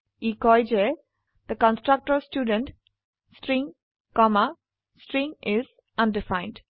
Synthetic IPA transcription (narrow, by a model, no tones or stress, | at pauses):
iːkɔɪd͡ʒe | d̪̥əkə̃nsʈɾʌk̚ʈəɾsʈjuːɖə̃nʈ | sʈɾĩŋ | kɔmə | sʈɾĩŋɪz | ʌ̃nɖɪfãɪ̃nɖ